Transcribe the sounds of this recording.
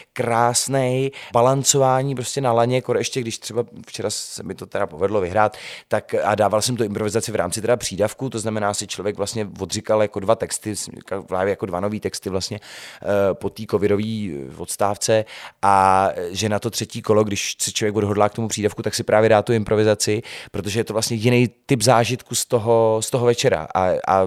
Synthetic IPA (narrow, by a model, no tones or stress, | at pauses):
kɾaːsnɛjbalant͡so̞vaːɲiːp̬ɾo̞scɛnalaɲɛkoɾɛʃcɛɡdɪʃt̪r̥ɛbaft͡ʃɛɾasɛmɪt̪o̞t̪ɛɾapo̞vɛdlo̞vɪɦɾaːt̪ːakadaːvalsɛmt̪uʔɪmpɾovɪzat͡sɪvɾa̰ːmt͡sɪt̪ɛdapr̝̥iːdafkut̪oznamɛnaːsɪt͡ʃlovjɛkvlastɲɛvo̞d̪rɪkaljako̞dvat̪ɛkst̪ɪsɛmkavla̰ːvɛjakodvano̞viːt̪ɛkst̪ɪvlast̪ɲɛ | po̞t̪iːko̞vɪdo̞viːvot̪st̪aːft͡sɛʔaʒɛnat̪ot̪r̥ɛciːko̞loɡdɪʃsɛt͡ʃlovjɛkvo̞dɦo̞dlaːkt̪o̞mupr̥iːdafkut̪aksɪpɾʔaːvjɛdaːt̪uɪmpɾo̞vɪzat͡sɪpɾo̞t̪̬o̞ʒɛjɛt̪olastɲɛjjɪnɛjt̪ɪpzaːʒɪt̪kust̪oɦo̞st̪o̞ɦovɛt͡ʃɛɾa̰ʔa̰a̰